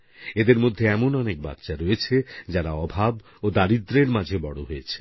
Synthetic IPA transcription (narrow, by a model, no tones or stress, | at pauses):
ed̪eɾmod̪ʱːeɛmonɔnek̚ba̰t̪ːʃaɾoet͡ɕʰed͡ʑaɾaɔbʱab | od̪aɾid̪ɾeɾmad͡ʑʱebɔɽoɦoet͡ɕʰe̥